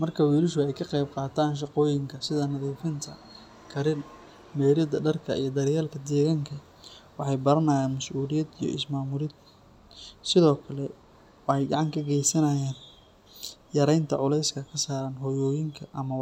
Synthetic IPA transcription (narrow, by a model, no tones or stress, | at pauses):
mɐrkʰɐwiːlɪʃʊɛjkʰɐqɛjb̚qɑːt̪ʰaːnʃ̬ɑqɔːjɪŋkʰɐsɪðɐnɐðiːfɪnt̪ʰɐ̰ | kʰɐɾɪn | mɛːɾɐd̪ɐɖɐrkʰɐijɞd̪ɐɾɪjaːlkʰɐd̪ɛːɣaːŋkʰɐ | wɑħɑjbɐɾɐnɐjaːnmɐsʔuːlɪjɐd̪ijɔ̰ʔɪ̰smaːmʊɾɪd̪ | sɪðɔːkʰɐlɛ | wɑħɑjɡɑʕɑŋkʰɐɡɛjsɐnɐjaːn | jɐɾɛjnt̪ʰɐʕʊlɛjskʰɐkʰɐsaːɾaːnɦɔːjɔːjɪŋkʰɐʔɐmɐwɑ